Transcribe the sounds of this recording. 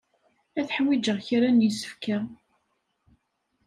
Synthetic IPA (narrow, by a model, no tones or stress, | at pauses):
æθħwid͡ʒəʁçɾanjisə̥fkæ